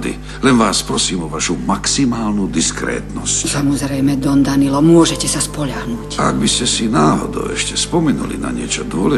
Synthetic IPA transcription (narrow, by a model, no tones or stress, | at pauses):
d̪ḭ | lɛnʋaːspɾɔsiːmɔʋaʃumaksimaːlnud̪iskɾɛ̰ːt̪nɔscsamɔzɾɛjmɛd̪ɔnd̪anilɔmʊɔʒɛcɛsaspɔʎaɦnuːca̰ɡ̚biscɛsinaːɦɔ̰d̪ɔ̰ʊɛʃcɛspɔmɛnṵlḭna̰ɲɪɛt͡ʃɔd̪ʊɔlɛ